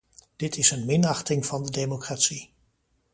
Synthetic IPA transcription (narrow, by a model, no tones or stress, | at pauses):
d̥ɪtʰɪsənmɪnɑχtɪŋv̥ɑndədejmokraːtsi